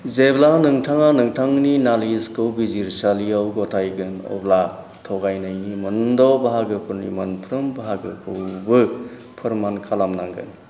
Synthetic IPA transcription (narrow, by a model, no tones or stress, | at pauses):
zeblanɯŋtʰaŋanɯŋtʰaŋninaliskɯwbiziɾsaliawɡɔtʰajɡɯnɔ̰bla | tʰɔɡajnajnimɯndɔbaɦaɡɯpʰɯɾnḭmanpʰɾɯmbaɦaɡɯkʰɯwbɯ | pʰɯɾmankʰalamnaŋɡɯ̰n